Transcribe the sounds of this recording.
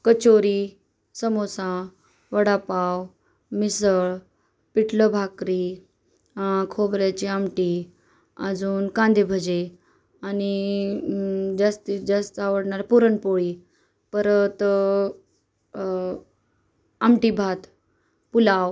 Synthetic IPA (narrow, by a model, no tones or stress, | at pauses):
kət͡ɕoɾi | səmosã | ʋəɽapaw | misəɭ | piʈʰləbʱakɾi | kʰobɾjat͡ɕiamʈi | ə̰d͡zuːnkãnd̪ʱebʱəd͡ʑe | ani | d͡ʑast̪id͡ʑast̪aʋəɽɳaɾpuɾəɳpoɭi | pəɾət̪ | amʈibʱat̪ | pulaw